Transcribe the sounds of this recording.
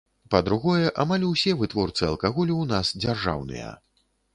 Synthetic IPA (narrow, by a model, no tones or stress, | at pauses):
pɐd̪ɾuɣɔjɛʔamalʲuwsʲɛvɨt̪vɔrt̪sɨɐlˠkaɣɔlʲiwnasd͡zʲarʐa̰wnɨ̰jɐ̰